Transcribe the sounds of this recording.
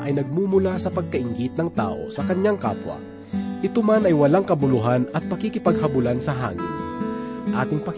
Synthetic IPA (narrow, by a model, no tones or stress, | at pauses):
ʔɐjnɐɡ̚mumʊlasɐpɐɡ̚kɐʔɪŋɡɪt̪̚nɐŋt̪a̰ːʔo̞̰sɐkɐɲaŋka̰ːpwɐ̰ | ʔɪt̪omanɐjwɐlaŋkɐbʊlʊɦanɐt̪̚pɐkikɪpɐɡ̚hɐbʊlansɐɦa̰ːŋɪ̰nʔaːt̪ɪŋpɐk